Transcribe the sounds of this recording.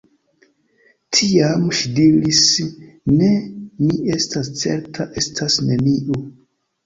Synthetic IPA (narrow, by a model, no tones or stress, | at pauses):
tʰiamʃidiɾisne̞mie̞stʰast͡se̞̰ɾtʰaʔe̞stʰasneniʔo